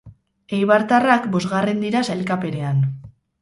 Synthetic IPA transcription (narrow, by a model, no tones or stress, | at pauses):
ejβaɾt̪arakbo̞zɣare̞nd̪iɾasajlkape̞ɾe̞an